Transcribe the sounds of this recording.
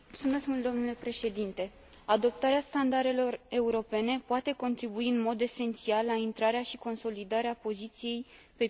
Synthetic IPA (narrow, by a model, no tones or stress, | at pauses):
ult̪sume̞skmult̪d̪o̞mnule̞pɾe̞ʃe̞d̪int̪e̞ | ad̪o̞p̚t̪aɾeast̪and̪aɾe̞lo̞re̞uɾo̞pe̞ne̞poat̪e̞ko̞nt̪ɾibuiɨnmo̞d̪e̞se̞nt̪sialːaint̪ɾaɾeaʃiko̞nso̞lid̪aɾeapo̞zit̪sije̞j | pe̞